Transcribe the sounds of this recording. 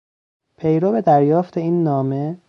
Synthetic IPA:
pʰe̞jɾobe̞d̪æɾjɒːft̪ʰe̞iːnːɒːme̞

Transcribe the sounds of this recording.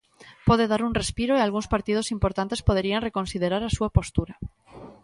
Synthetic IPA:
pɔð̞eðaɾuŋrespiɾoealɣũŋspaɾt̪ið̞osimpoɾt̪ant̪espoð̞eɾiaŋrekonsiðeɾaɾasuapost̪uɾa

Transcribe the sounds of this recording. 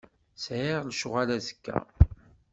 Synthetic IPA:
sʕiʁlʃʊʁalæzə̥kːæ̰

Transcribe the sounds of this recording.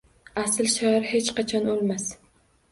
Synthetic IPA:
aslʃaaɾhet͡ʃqʰɑt͡ʃʰɒnolˠmas

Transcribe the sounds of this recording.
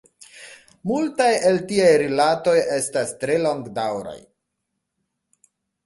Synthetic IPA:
multajeltiajɾilato̞je̞stastɾe̞lo̞ŋɡdawɾa̰j

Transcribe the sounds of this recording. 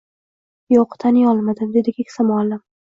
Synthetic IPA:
jɒqʰt̪ʰanjɒlˠmad̪ɪmd̪e̞d̪ɪkʲʰekʲsamalːɪm

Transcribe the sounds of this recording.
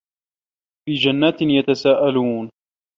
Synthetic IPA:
fiːd͡ʒanːaːt̪njat̪asaːʔaluːn

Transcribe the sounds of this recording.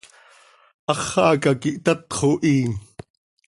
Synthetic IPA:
ʔɑχːɑʔːkakiʔt̪at̪χoʔiːn

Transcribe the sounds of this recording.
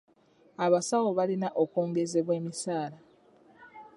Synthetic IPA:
aβasawo̞βalinaʔokoːŋɡe̞ze̞βwe̞ːmisaːla

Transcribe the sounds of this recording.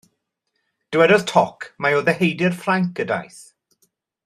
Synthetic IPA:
d̥wɛdɔðtʰɔkʰmajoːðɛhejdɪrfraŋk̚ɡ̥əda̰jθ

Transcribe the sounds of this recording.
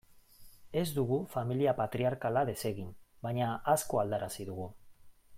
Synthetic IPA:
e̞zd̪uɣ̞ufamiliapat̪ɾiaɾkalaðe̞se̞ɣimbajɲaʔasko̞ald̪aɾasiðuɣu

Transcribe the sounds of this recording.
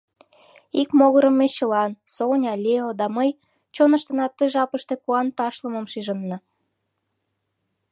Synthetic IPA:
ikmoɣɤɾə̆mːeɕəlɑnsonʲɑlʲeod̪ɑməj | t͡ɕonə̆ʃt̪ɤ̆nɑt̪ːəʒɑpəʃt̪e̽kuɑnt̪ɑʃlə̆mə̆mʃiʒənːɑ

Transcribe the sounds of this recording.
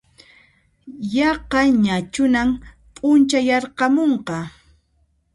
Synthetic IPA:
jɑqɑɲat͡ʃʊnam | pʼʊnt͡ʃajɑɾqɑmoɴqɑ

